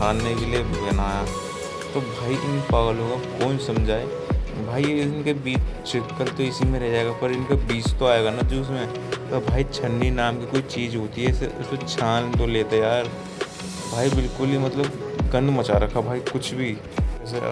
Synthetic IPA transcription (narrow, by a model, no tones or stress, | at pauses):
aːnːekeliebʱeːnaːja | t̪obʱaːiʔɪnpɐɡlõkakoːnsɐ̃md͡ʒʱaːe | bʱaːinkebiːt͡ʃt͡ʃɪkːəlt̪oɪsimẽɾɛɦd͡ʒaːeɡapɐɾɪnkabiːt͡ʃt̪oaːeɡanad͡ʒoːɪsmẽ | pɐbʱaːit͡ʃʰɐ̃ɳɖinaːmkikoːit͡ʃiːd͡ʒɦoːt̪iɦɛseʊ̰st̪ot͡ʃʰaːnt̪oleːt̪ajaːɾ | bʱaːibɪlkʊlemɐt̪ləbɡɐ̃nd̪mɐt͡ʃaɾɐkʰabʱaːikʊt͡ʃʰbʱi | s